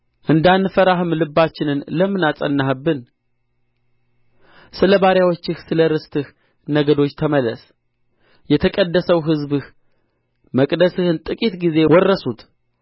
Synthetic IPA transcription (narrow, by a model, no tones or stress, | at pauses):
ʔɨnd̪anːɨfəɾaɦhɨmlɨbːat͡ʃːɪnɨnləmːɨnasʼə̰nːahbːɨn | sɨləbaɾjawot͡ʃːɪhsɨləɾɨst̪ʰɨh | nəɡəd̪o̞t͡ʃːt̪ʰəməlːəs | jɛt̪ʰəkʼəd̪ːəsəwɦɨzbɨh | məkʼd̪əsɨhɨnt̪ʼɨkʼit̪ɡize̞wɔrːəsut̪